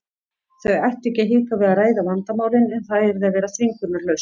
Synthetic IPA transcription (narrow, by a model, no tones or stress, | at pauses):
θœɥɣɛjht̪ɛcɪɦiːkavɪðaraːjðavant̪amaːwlɪnɛnθaðɛɾðɪavɛːɾasviŋkʏɾt̪naɾlœɥs